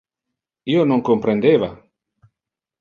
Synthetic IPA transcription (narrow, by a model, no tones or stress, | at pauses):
ionõŋkompɾend̪eβa